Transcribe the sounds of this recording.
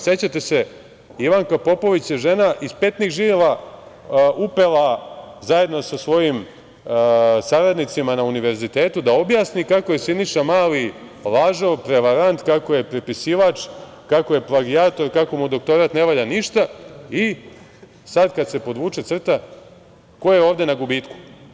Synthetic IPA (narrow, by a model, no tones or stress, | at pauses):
se̞t͡ɕat̪e̞se̞ | iʋaŋkapo̞po̞ʋit͡ɕjeʒe̞naʔispet̪niɣʒiʋela | upelˠazaje̞d̪nosasʋo̞jim | saɾad̪nit̪simanauniʋe̞ɾzit̪eːt̪ud̪ao̞bjaːsnikakoje̞siniʃamaːli | lˠaːʒopɾe̞ʋaɾant̪kako̞je̞pɾipisiʋat͡ʃ | kakoje̞plˠaɡiaːt̪o̞ɾkako̞mud̪o̞k̚t̪o̞ɾat̪ne̞ʋaʎaniʃt̪ai | sad̪kad̪se̞po̞d̪ʋuːt͡ʃet̪sr̩t̪a | ko̞jeeoːʋd̪e̞naɡubiːt̪ku̥